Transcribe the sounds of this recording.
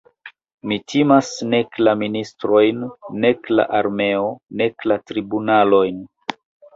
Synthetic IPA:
mitʰimasne̞klaministɾo̞jnːe̞kla̰ʔaɾme̞o̞ne̞klatɾibunalo̞jn

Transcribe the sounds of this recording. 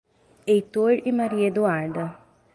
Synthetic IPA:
ejt̪oɾimaɾied̪uaɾd̪ɐ

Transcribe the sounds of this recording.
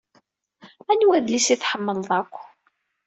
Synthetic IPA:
ænwæðlisiθħəmːəlðˤækʷː

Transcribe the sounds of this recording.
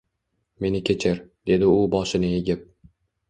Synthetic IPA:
me̞nɪkʲʰe̞t͡ʃʰɪɾd̪̥e̞d̪ɪʊbɒʃɪnɪjeɡʲɪp̚

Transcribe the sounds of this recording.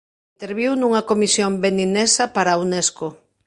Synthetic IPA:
int̪eɾβiwnuŋɐkomisjombeninesɐpaɾaunesko

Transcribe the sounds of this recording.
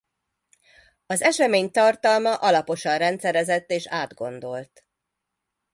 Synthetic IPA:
ɒzɛʃɛmeːɲt̪ɒrt̪ɒlmɒʔɒlɒpo̞ʃɒnrɛnt̪sɛɾɛzɛt̪ːeːʃaːd̪ɡo̞nd̪o̞lt̪

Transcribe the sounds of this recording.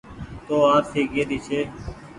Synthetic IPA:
t̪oːaːpsʰeːɡeːd̪iːt͡ʃʰeː

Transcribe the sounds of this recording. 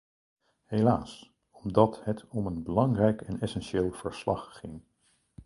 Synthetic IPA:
hejlaːs | ɔmdɑtɦɛtʰɔmənbəlɑŋrɛjkɛnɛsɛnʃeːlˠv̥əɹslɑ̰χːɪŋ

